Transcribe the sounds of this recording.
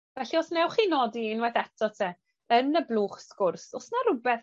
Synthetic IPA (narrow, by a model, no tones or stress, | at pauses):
vɛɬiɔsnɛwχinɔdinwɛθɛtʰɔtʰɛ | ənəblˠuːχskʊrsɔsnaɾʊbɛθ